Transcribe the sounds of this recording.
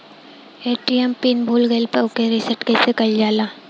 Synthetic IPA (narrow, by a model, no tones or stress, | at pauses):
eːʈiempiːnbʱuːlɡelpɐʊkeɾɪsəʈkɛːsekɐld͡ʒaːlaː